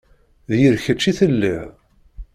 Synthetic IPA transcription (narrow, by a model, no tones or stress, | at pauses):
ðjəɾçət͡ʃːiθəlːḭʕ